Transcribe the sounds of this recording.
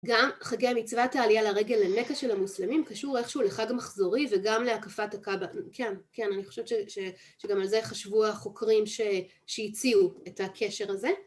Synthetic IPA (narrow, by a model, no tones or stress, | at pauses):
ɡamχaɡejamit͡svataːlijalaʁe̞ɡe̞lːene̞kaʃe̞lamuslemimkaʃuʁe̞χʃeuleχaɡmaχzo̞ʁiveɡamleakafatakabakʰenkenaniχo̞ʃevt͡ʃeʃe | ʃeɡamalzeχaʃvuaχo̞kʁimʃe | ʃejit͡siuetakʰe̞ʃe̞ʁaze̞